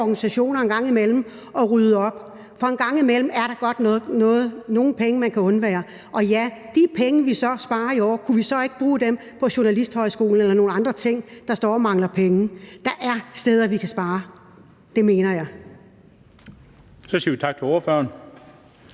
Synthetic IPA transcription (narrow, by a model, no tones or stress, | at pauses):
ɒɡ̥ænisæɕo̝̰ːnɐenɡ̥ɑ̈ŋ̰imel̰m̩ | ɒ̽ʁyð̞ˠəɒ̽b̥ | fɒ̽enɡ̥ɑ̈ŋ̰imel̰m̩æɐɾɑ̈ɡ̥ɒ̽d̥nːnɔ̽ːð̩ˠno̝ːn̩pʰeŋəmænkʰæɔ̽nʋæːɐ | ʔɒ̽jæd̥ipʰeŋəʋisɒ̽sb̥ɑ̈ːɐiɒ̰ːkʰuʋisɒ̽e̝ɡ̥əb̥ʁuːd̥em | pʰɒ̽ɕo̝nælisd̥hɒ̽ɪsɡ̥o̝̰ːln̩elɐno̝ːn̩ɑ̈nd̥ʁɐt͡sʰe̝ŋ̰d̥ɑ̈sd̥ɒ̰ːɒmɑ̈ŋlɐpʰeŋd̥ɑ̈ʔæɐsd̥eːð̞ˠɐʋikʰæsb̥ɑ̈ː | d̥e̝me̝ːnɐjɑ̈ɪ | sɒsiːʋit͡sʰɑ̈ɡ̥̚t͡sʰeloːɐføɐn